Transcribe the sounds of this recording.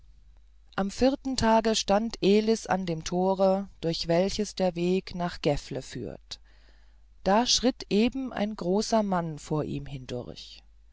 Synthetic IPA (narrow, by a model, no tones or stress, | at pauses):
ʔamfɪɐtn̩tʰaːɡəʃtantʰʔeːlɪsa̰ndeːmtʰoːʁəd̥ʊɐçv̥ɛlçəsd̥eːɐveːknaːχɡ̥ɛfləfy̰ːɐt | d̥aːʃʁ̥ɪtʔeːbm̩ʔa̰ɪnɡʁoːsɐmanfoːɐʔḭːmhɪndʊ̰ɐ̰ç